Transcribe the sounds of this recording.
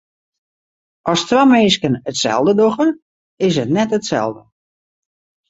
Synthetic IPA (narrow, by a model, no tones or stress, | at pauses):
ʔɔstrameːskənətsɛ̰lˠdədoxən | ɪs̬ətnɛtətsɛ̰lˠdə